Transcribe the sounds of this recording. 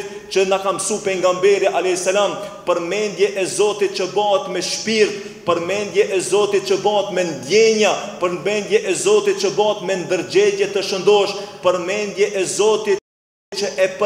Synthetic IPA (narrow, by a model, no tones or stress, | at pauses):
t͡ʃənakamsupɛŋɡambɛɾiaʔalɛsalampəɾmɛnd̪jɛʔɛzɔt̪it̪̚t͡ʃəbaət̪mɛʃpiɾt̪̚ | pəɾmɛnd̪jɛʔɛzɔt̪it̪̚t͡ʃəbaət̪mɛnd̪jɛɲapəɾnmɛnd̪jɛʔɛzɔt̪it̪̚t͡ʃəbaət̪mɛnd̪əɾd͡ʒɛɟɛt̪əʃənd̪ɔʃpəɾmɛnd̪jɛʔɛzɔt̪i | t͡ʃəʔɛpə